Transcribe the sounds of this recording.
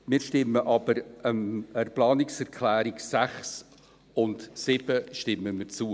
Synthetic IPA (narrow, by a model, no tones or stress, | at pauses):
mɪːɾʃtɪmːəʔɑb̥əɾəməɾplɑːnɪksɛɾkʰlæːɾɪksæχs | ʊntsɪb̥əʃtɪməmɪt͡suːə